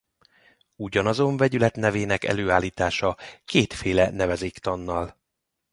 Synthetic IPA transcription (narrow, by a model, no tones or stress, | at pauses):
uɟɒnɒzo̞ɱvɛɟylɛt̪nɛveːnɛkɛ̰løːaːlːiːt̪aːʃɒkeːt̪feːlɛnɛvɛzeːkt̪ɒnːɒl